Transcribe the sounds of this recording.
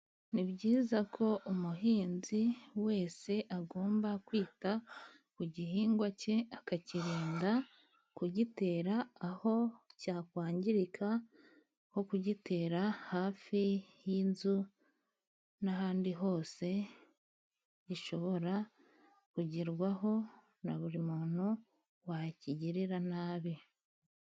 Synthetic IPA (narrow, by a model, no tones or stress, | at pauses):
niβɟiːzakʰo̞ʔumuɦiːnziwe̞ːse̞ʔaɡo̞ːmbakwiːta | kuɟiɦiːŋɡwace̞akaciɾeːnda | kuɟite̞ːɾaːho̞caːkwaːɲɟiɾikʰa | ho̞kuɟite̞ːɾahaːfijiːnzu | naɦaːndiɦo̞ːse̞ | iʃo̞βo̞ɾa | kuɟiɾɡwaɦo̞ | naβuɾimuːn̥u | waciɟiɾiɾanaːβi